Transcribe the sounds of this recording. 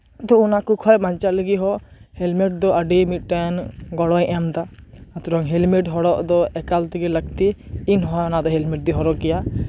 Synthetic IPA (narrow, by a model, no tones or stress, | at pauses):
t̪ɔunakukʰɔjbaɲt͡ʃaləɡiɦɔhɛlmɛʈ̚d̪ɔʔəɖimit̪̚ʈənɡɔɽɔjʔɛmd̪aat̪uɾɔŋɦɛlmiʈɦɔɽɔʔd̪ɔɛkalt̪iɡɛləɡ̚t̪iːnɦɔjɔnad̪ɔɦɛlmiʈ̚d̪iɦɔɾɔkɛja